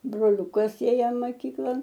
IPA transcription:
broːˈlʲʊkɐs ˈeːjɛ mɐˈkʲiːklˠɐn

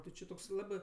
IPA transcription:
tʲɪ ˈt͡ʃʲɪ toːks ˈlˠɑːbɜ

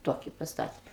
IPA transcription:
ˈtoːkʲɪ pɐsˈtɑːtʲɛ

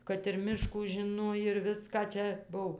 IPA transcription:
kɐt ɪr ˈmʲɪʃkuː ʒʲɪˈnoːj ɪr ˈʋʲɪskɑː ˈt͡ʃʲɛ ˈbʊw

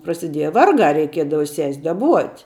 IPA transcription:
prɐsʲɪˈdʲiɛjɛ ˈʋɐrɡɑː rʲɛɪˈkʲiɛdɐʋɐ sʲɛsʲ dɐˈbuɔtʲ

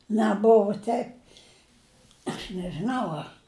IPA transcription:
nʲɛˈbʊʋʊ ˈtʲɛɪp ɐʃ nʲɛʒʲɪˈnɐʊ ˈɐ

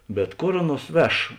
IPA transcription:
bʲɛt ˈkoːr ˈɑːˌnuɔs ˈʋʲɛʃ

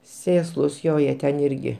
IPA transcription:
ˈsʲeːslˠʊs ˈjoː ˈjiɛ tʲɛn ˈɪrʲɡʲɪ

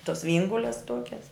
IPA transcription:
toːs ˈʋʲiɛŋɡʊlʲɛs ˈtoːkʲɛs

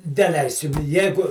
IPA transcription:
dʲɛˈlʲɛɪsʲɪm ˈjæːɡʊ

